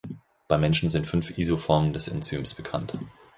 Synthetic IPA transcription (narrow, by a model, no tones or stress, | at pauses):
b̥aɪmɛnʃn̩zɪntfʏnfʔiːzofɔɐməndɛsɛ̰nt͡syːmsb̥əkʰa̰nt